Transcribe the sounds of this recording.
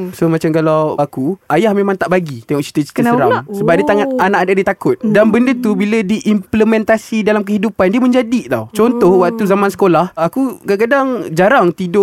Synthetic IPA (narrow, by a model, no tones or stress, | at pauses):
somãt͡ʃamkalawakuajahmemãŋt̪aʔbaɡit̪ɛŋɔʔ̚t͡ʃi̥t̪ət͡ʃi̥k̪əɾamsəbap̚diət̪aŋat̪̚anaʔadadit̪akʊt̪̚danbəndət̪ubilədiʔimpləmɛ̃nt̪asidalamk̬əɦidupandiəmə̃ɲd͡ʒadit̪a̰wt͡ʃɔnt̪ɔhwakt̪uzamansə̥kolahakukak̬adaŋd͡ʒaɾaŋt̪idʊʔ